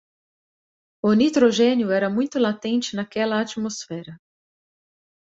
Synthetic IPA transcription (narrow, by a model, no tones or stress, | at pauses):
ʊnit̪ɾoʒẽnjʊɛɾɐmũj̃t̪ʊlat̪ẽnt͡ʃɪnɐkɛlɐat͡ʃmosfɛɾɐ